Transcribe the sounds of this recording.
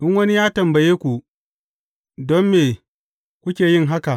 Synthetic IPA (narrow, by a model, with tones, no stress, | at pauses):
ʔɪ˦nwɐ˦ni˦jaː˦tɐ˨mbɐ˨jeː˦kʷu˨ | dɔ˦mːeː˨ | kʷu˦kʲeː˨jɪ˦ŋɦa˦ka˨